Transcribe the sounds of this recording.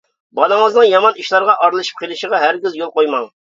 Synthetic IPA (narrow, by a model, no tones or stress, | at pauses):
bɑlˠɨŋəznɨŋjɑmɑniʃlˠɑɾʁɑʔɑɾlˠɨʃi̥p̚qʰelˠɨʃəʁɑɦæɾɡʲizjolˠqojmɑŋ